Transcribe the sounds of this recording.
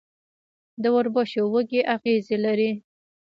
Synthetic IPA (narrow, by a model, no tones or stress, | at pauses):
d̪əwaɾbɑʃowəɡeʔaɣezelaɾi